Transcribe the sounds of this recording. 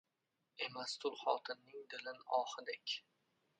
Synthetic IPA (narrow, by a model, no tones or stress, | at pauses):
e̞mast̪ʰʊlˠχɒt̪ʰɪnːɪŋd̪ɪlɪnɒːhɪd̪ekʲ